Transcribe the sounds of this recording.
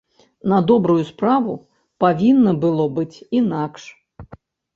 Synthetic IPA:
nɐd̪ɔbɾujuspɾavu | pavʲinːɐbɨlˠɔbɨt͡sʲinakʂ

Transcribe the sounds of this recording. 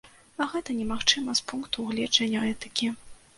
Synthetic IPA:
ɐɣɛt̪ɐnʲɛmaxt͡ʂɨmɐspunkt̪uɣlʲɛd͡ʐɐnʲːɐɛt̪ɨkʲi

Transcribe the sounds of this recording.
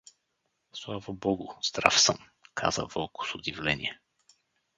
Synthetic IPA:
slˠavəbɔɡʊz̥d̪ɾa̰fsə̰m | kʰa̰zə̰vɔlˠkʊ̥sʊd̪ivlɛnʲḭɛ

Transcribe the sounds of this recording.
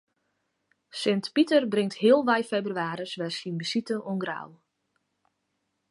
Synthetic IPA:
sɪntpitərbrɪŋtɦɪəlˠʋɛjfebryaːɾəsʋɛsinbəsitəʔonɡra̰w

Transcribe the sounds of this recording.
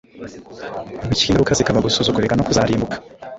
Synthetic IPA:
micinɾukazikaβaɡusuːzukuɾekanokuzaːɾiːmbukʰḁ

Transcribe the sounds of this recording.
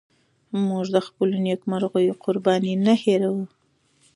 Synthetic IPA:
muʐd̪əxpəlonekmaɾɣəjoqʊɾbɑninaheɾawu

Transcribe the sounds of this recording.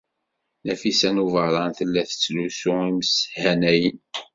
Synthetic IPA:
næfisænuvəɾˤɑnθəlːæθə̥t͡sːlusʊiməsəhænæjən

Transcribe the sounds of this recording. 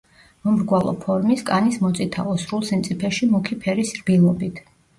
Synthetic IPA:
mɔmɾɡwalˠɔ̰pʰɔɾmiskʼanismɔt̪sʼit̪ʰa̰ɔsɾulˠsɛmt̪sʼipʰɛʃimukʰipʰɛɾisɾbilˠɔbit̪ʰ

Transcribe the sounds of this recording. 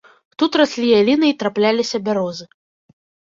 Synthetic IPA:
t̪ut̪rasʲlʲijalʲinɨit̪ɾaplʲalʲisʲɐbʲaɾɔzɨ

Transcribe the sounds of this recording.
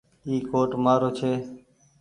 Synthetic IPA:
iːkoːʈmaːɾoːt͡ʃʰeː

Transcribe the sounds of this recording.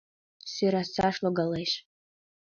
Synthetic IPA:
siɾasaʂloɡalejʃ

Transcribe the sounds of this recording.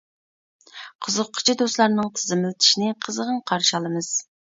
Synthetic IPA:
qʰəzəqqʰːʊ̥t͡ʃʰid̪oslˠɑɾnɨŋt̪ʰɪzɪmɪlt̪ʰi̥ʃinɪqʰəzəʁəɴqʰɑɾʃɑlˠɨmɨz̥

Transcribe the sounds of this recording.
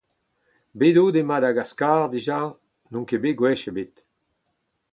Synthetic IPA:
bedod̪emad̪aɡaskaːʁd̪iʒa | nɔ̃ŋkebeɡwɛʃebet̪

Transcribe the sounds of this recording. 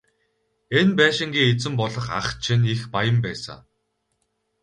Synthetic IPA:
enpæːʃɪ̆ŋɡʲiːet͡sɘ̆mpɔɮɞ̆χa̰χt͡ɕʰinixpajə̆mpæːsa̰ː

